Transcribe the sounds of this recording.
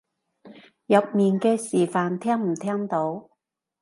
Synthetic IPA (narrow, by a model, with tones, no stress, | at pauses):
jɐ˨p̚miː˨nkɛː˧siː˨˩faː˨nt̪ʰɛː˥ŋm̩˨˩t̪ʰɛː˥ŋt̪o˨˥w